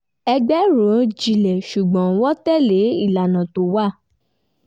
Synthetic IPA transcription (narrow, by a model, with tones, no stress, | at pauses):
ɛ˧ɡ͡bɛ˦ɾõ˨˦d͡ʒi˨lɛ˨ʃu˨ɡ͡bɔ̃˨˦wɔ˦tɛ˦˨le˨˦i˦˨la˨nã˨to˨wa˦˨